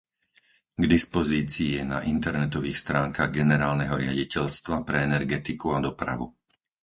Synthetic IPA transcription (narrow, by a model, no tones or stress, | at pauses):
ɡd̪ispɔziːt͡siːjɛnaʔint̪ɛɾnɛt̪ɔʋiːxst̪ɾaːŋkaɣɡɛnɛɾaːlnɛɦɔɾɪa̰ɟicɛʎst̪ʋapɾɛɛnɛɾɡɛt̪ikuad̪ɔpɾa̰ʋṵ